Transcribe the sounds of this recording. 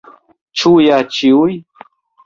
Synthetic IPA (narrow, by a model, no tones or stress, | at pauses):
t͡ʃujat͡ʃiʊj